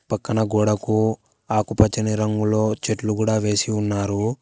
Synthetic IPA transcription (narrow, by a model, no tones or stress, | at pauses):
pɐkːɐnɐɡoːɽɐku | aːkupɐt͡ʃɐniɾɐŋɡulo̞ːt͡ʃeʈlukuːɽaːʋe̞ːsiunːaːɾu